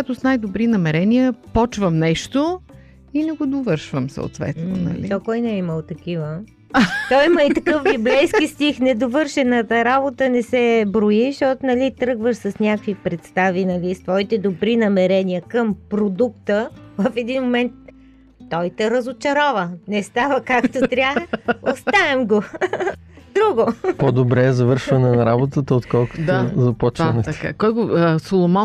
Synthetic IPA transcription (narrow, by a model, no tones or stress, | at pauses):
at̪osnajd̪obɾinɐmɛɾɛniəpɔt͡ʃvəmnɛʃt̪o | inɛɡod̪ovɤɾʃvəmsə̰o̰t̪vɛ̰t̪no̰nɐ̰lḭt̪okɔjnɛiməlˠt̪ɐk̟ivə | t̪ɔjməit̪ɐkɤfbiblɛjskist̪ixnɛd̪ovɤɾʃɛnət̪əɾabot̪ənɛsɛbɾoiʃt̪ɔt̪nɐlit̪ɾɤɡvəʃsɐsnʲakvipɾɛt̪st̪avinɐlist̪vɔit̪ɛd̪obɾinɐmɛɾɛniəkəmpɾod̪ukt̪əvəfɛd̪inmomɛnt̪̚ː | ɔjt̪ɛɾəzot͡ʃɐɾɔvənɛst̪avəkakt̪ot̪ɾʲaxostt̪aɛmɡo | d̪ɾuɡopod̪obɾɛːzɐvɤɾʃvɐnɛnɐɾabot̪ət̪əot̪kɔlˠko̥dt̪ozɐpɔt͡ʃɐnɛka̰kɔjɡosolˠomɔ